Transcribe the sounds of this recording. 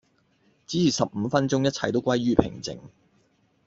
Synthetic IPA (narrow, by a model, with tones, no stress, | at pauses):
t͡siː˨˥t͡sʰiː˨˩sɐ˨p̚m̩ː˨˧fɐ˥nt͡sʊ˥ŋjɐ˥t̚t͡sʰɐ˨˩jt̪o˥wkʷɐ˥jɥyː˥pʰɪ̰˨˩ŋt͡sɪ̰˨˩ŋ